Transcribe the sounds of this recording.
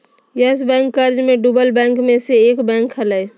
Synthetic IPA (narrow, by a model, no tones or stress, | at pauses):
jəsbɛ̃ŋkːəɾd͡ʒmeɖubəlbɛ̃ŋkmeseekbɛ̃ŋkɦələj